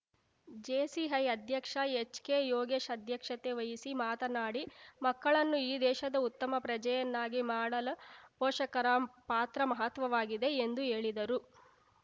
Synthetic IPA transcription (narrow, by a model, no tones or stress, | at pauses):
d͡ʒeːsiɦɐjɐd̪ʱjɐkʂɐet͡ʃkeːjoːɡeːʃɐd̪ʱjɐkʂɐt̪e̞ʋɐjisimaːt̪ɐnaːɽimɐkːɐɭɐnːuiːd̪ɛːʃɐd̪ɐut̪ːɐmɐpɾɐd͡ʒɐjɐnːaːɡimaːɽɐlɐpoːʂɐkɐɾapaːt̪ɾɐmɐɦɐt̪ʋɐʋaːɡid̪e̞end̪ue̞ːɭid̪ɐɾu